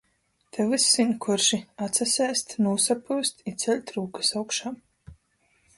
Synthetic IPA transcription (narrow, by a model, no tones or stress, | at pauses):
t̪ʰɛvɨsːiɲʲkʰuɾʃiat̪sasʲɛːst̪nuːsapuːst̪it̪sʲɛlʲt̪ɾuːkɨ̥sawkʃaːm